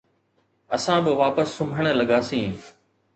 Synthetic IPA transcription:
ɐsãːbɪʋaːpəsːʊmbʱəɽ̃̆lɐɠaːsĩː

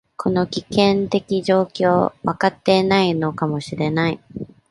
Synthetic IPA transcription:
kʰo̞no̞kʲikẽ̞nt̪e̞kʲiʑo̞ːkʲo̞ːβakat̪ːe̞ːnaino̞kamo̞ɕiɾe̞nai

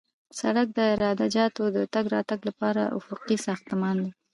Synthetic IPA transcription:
saɽak̚d̪əɪɾɑd̪ad͡ʒɑt̪od̪ət̪aɡɾɑt̪aɡlapɑɾa̰ʔʊ̰fʊqisɑxt̪mɑnd̪i

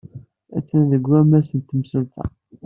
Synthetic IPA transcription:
æ̰t͡sːænðəɡʷːæmæsənt̪ːəmsəlt̪æ̰

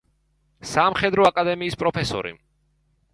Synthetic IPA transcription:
samχɛd̪ɾɔakʼad̪ɛmiːspʼɾɔpʰɛsɔ̰ɾḭ

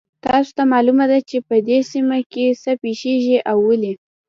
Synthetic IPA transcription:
t̪ɑso̥t̪amɑlumad̪at͡ʃepəd̪esimakesəpeʃeʒiʔawːəli

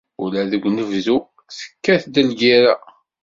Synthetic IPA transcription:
ulæðəɡʷnəvzu | θə̥kːæθd̪əlɡiɾa

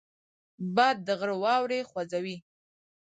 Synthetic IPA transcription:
bɑd̪̚ːəɣɽəwɑwɾexwazawi

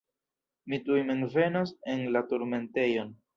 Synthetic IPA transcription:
mitujmenve̞nose̞nlatuɾme̞nte̞jo̞n

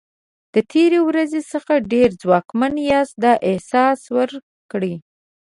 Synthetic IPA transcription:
d̪̥ət̪ʰeɾewɾazesəxaɖeɾd͡zwɑkmanjɑsd̪ɑʔɪhsɑswəɾ | kɽi

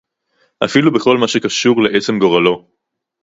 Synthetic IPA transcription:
ʔa̰filube̞χo̞lmaʃekaʃuʁleʔet͡semɡo̞ʁalo̞

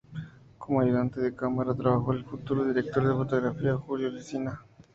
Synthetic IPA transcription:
komoajuðant̪eðekamaɾat̪ɾaβaxoelfut̪uɾoðiɾek̚t̪oɾðefot̪oɣɾafiaxuðjoɾisina

